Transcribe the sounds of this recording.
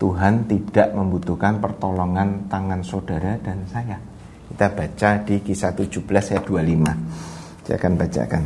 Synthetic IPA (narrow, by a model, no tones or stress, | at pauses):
t̪uɦant̪id̥aʔməmbut̪uhkanpərt̪olɔŋant̪aŋansod̥aɾad̥ansaja | kit̪ab̥at͡ʃadikisat̪u̥d͡ʒub̥lasjad̥ualima | sa̰kanbat͡ʃa̰kan